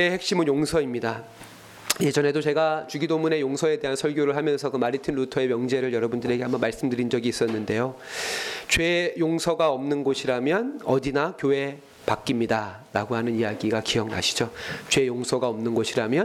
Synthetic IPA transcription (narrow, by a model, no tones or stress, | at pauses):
ehek̚ɕ͈imɯnjoŋsʰʌimɲida | je̞d͡ʑʌne̞dot͡ɕe̞ɡat͡ɕuɡidomune̞joŋsʰʌe̞de̞ɦansʰʌɭɡjoɾɯɭɦamjʌnsʰʌkɯmaɾitʰɯnɾutʰʌe̞mjʌŋd͡ʑe̞ɾɯɭjʌɾʌbundɯɾe̞ɡe̞ɦambʌnmaɭs͈ɯmdɯɾind͡ʑʌɡiːs͈ʌnːɯnde̞jo | t͡ɕwe̞joŋsʰʌɡaʌmnɯnɡoɕʰiɾamjʌnʌdinakjoɦe̞ | pak͈imɲida | ɾaɡoɦanɯnijaɡiɡakijʌŋna̰ɕʰi̥d͡ʑot͡ɕwe̞joŋsʰʌɡaʌmnɯnɡʌɕʰiɾamjʌn